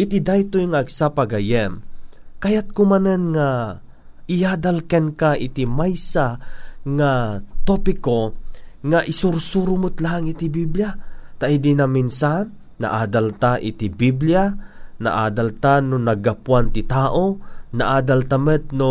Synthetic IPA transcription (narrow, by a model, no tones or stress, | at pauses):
ʔɪt̪ɪd̪ajt̪ojŋaʔːɡsapaɡɐjɛmkɐjat̪̚kʊmanɛnŋa | ʔɪjaːd̪alkɛnkaʔɪt̪imajsaŋat̪opɪkoŋaʔɪsuɾsuɾʊmʊt̪laɦaŋɪt̪ibibljat̪aʔid̪inaminsa | na̰ʔaːd̪alt̪aʔɪt̪ibiblijana̰ʔaːd̪alt̪anʊnɐɡapwant̪ɪt̪aːʔonaʔaːd̪alt̪amɛt̪̚no